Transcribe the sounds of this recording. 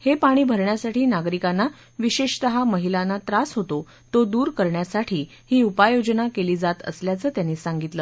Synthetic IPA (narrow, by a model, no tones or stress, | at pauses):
hepaɽ̃iːbʱəɾɳjasaʈiːnaɡɾikanːa | ʋiɕeʂt̪əɦaməɦilanːat̪ɾasɦot̪o | t̪od̪uːɾkəɾɳjasaʈʰiː | hiːupajod͡ʑnakeliːd͡zat̪ə̰sljat͡səːt̪janːiːsaŋɡit̪ləː